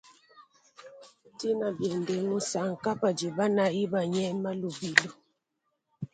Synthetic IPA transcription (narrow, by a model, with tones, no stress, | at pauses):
ti˦na˨bjɛ˨nde˨ŋo˦sa˨ŋ̩˨ka˦pa˨d͡ʒi˨ba˦na˨i˦ba˨ɲɛ˦ma˦lu˨bi˨lo˨